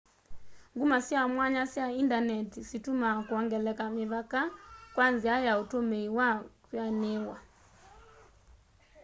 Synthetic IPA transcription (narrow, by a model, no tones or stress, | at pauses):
ŋɡumasiamwaɲasjaindanɛtisitumakuɔŋɡɛlɛkamiβakakwanziajautomeiwakwanewa